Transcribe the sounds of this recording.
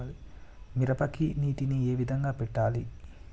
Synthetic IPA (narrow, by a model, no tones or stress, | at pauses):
miɾɐpɐkiniːʈinie̞ːʋid̪ʱɐŋɡaːpɛʈːaːli